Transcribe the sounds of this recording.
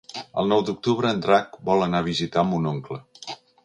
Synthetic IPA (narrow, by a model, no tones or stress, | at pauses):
ə̰lˠnɔwd̪uk̚t̪uβɾəːnd̪ɾak̚bɔlˠənaβ̞izit̪ambunoŋklə